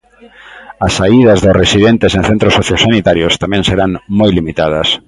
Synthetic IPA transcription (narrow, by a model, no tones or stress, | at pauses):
ɐsːaiðɐzðʊsresiðent̪esẽnθent̪ɾosoθjosanit̪aɾjost̪amɛ̃ŋseɾaŋmojlimit̪að̞ɐs